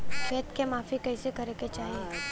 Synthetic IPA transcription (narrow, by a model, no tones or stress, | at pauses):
ʃeːt̪kemaːfikɛːsekɐɾeket͡ʃaːɦie